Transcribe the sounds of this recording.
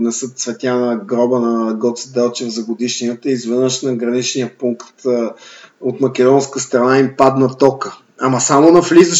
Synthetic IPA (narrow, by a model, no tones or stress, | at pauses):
nɛsɤt̪svɛt̪ʲjanəɡɾɔbənɐɡɔt̪sd̪ɛlˠt͡ʃɛvzɐɡod̪iʃniət̪əizvɛnəʃnɐɡɾɐnit͡ʃnijəpuŋkt̪ | ot̪mɐkɛd̪ɔnskəst̪ɾɐnaimpad̪nɐt̪ɔkə | amɐsamonɐflizəʃ